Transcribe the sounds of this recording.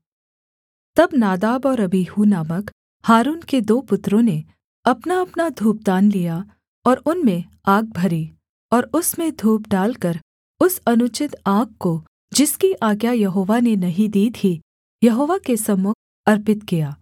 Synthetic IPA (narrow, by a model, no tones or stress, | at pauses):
t̪ɐbnaːd̪aːbɔːɾɐbiːhunaːmək | haːɾuːnked̪oːpʊt̪ɾõne | ɐpnaɐpnad̪ʱuːp̚d̪aːnlija | ɔːɾʊnmẽ | aːɡ̚bʱɐɾi | ɔːɾʊsmẽd̪ʱuːp̚ɖaːlkɐɾ | ʊsɐnʊt͡ʃɪt̪aːk̚ːko | d͡ʒɪskiʔaːɡjajɐɦoːʋanenɐɦĩd̪iːt̪ʰi | jɐɦoːʋakesɐmʊk̚ʰ | ɐɾpɪt̪kijaː